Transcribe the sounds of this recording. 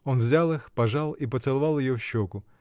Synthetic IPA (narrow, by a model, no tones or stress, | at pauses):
ɔnwzʲalˠɪxpɐʒɑlˠipɔt̪sɛlˠɐʋɑlˠjɪjɔwʃːɔkʊ